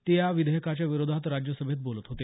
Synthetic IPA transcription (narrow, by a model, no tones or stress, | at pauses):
t̪ijaʋid̪əjəkat͡ɕjaʋiɾod̪ʱat̪ɾad͡ʑjəsəbʱet̪̚bolət̪ɦot̪e